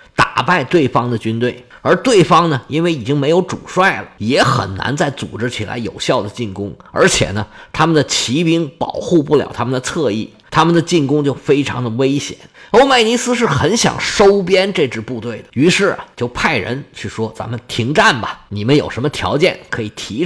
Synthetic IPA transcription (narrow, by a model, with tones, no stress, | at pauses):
t̪a̰˨˩pa˥˧ɪt̪we˥˩ɪfɑ˥ŋd̪ə˨t͡ɕy˥nt̪we˥˩ɪ | ə˞˧˥t̪we˥˩ɪfɑ˥ŋnə˨i˥nwe˥˩ɪi˨˩t͡ɕi˥ŋme˧˥ɪjo˧˥ʊʈ͡ʂṵ˨˩ʂwa˥˩ɪlə̰˩jɛ˧˥xə̰˨˩nna̰˧˥nt͡sa˥˩ɪt͡sṵ˨˩ʈ͡ʂɻ̩˥t͡ɕʰi˨˩la̰˧˥ɪjo˨˩ʊɕjɑ˥˩ʊd̪ə˩t͡ɕi˥˩nkʊ˥ŋə̰˞˧˥t͡ɕʰjɛ̰˨˩nə˦t̪ʰa˥mə˨nd̪ə˩t͡ɕʰi˧˥pi˧˥ŋpɑ˨˩ʊxu˥˧p̬u˥˩ljɑ̰˨˩ʊt̪ʰa˥mə˨nd̪ə˨t͡sʰɤ˥˧ḭ˥˩ | t̪ʰa˥mə˨nd̪ə˩t͡ɕi˥˩nkʊ˥ŋt͡ɕjo˥˩ʊfe˥ɪʈ͡ʂʰɑ̰˧˥ŋd̪ə˧we˥ɪɕjɛ̰˨˩˦no˥ʊma˥˩ɪni˧˥sɹ̩˥ʂ̬ɻ̩˥˩xə˧˥nɕjɑ̰˨˩ŋʂo˥ʊpjɛ˥nʈ͡ʂɤ˥˧ʈ͡ʂɻ̩˥˧pu˥˧t̪we˥˩ɪd̪ə˩y˧˥ʂɻ̩˥˩ɐ̰˨t͡ɕjo˥˧ʊpʰa˥˩ɪɻə̰˧˥nt͡ɕʰy˥˩ʂwɔ˥t͡sa̰˧˥nmə˧˨nt̪ʰi˧˥ŋʈ͡ʂa˥˩nbɐ˨ni˨˩mə˦njo˨˩ʊʂə˧˥nmə˧t̪ʰjɑ̰˧˥ʊt͡ɕjɛ̰˥˩nkʰɤ˧˥i˨˩t̪ʰi˧˥